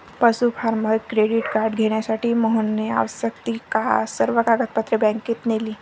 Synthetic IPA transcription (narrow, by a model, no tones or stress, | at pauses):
pəsufaɾməɾkɾeɽiʈkaɾɖɡʱeɳ̃jasaʈiːməɦənːea̰ʋsəkt̪iːkasəɾʋəkaɡət̪̚pət̪ːɾəbɛ̃ŋket̪neliː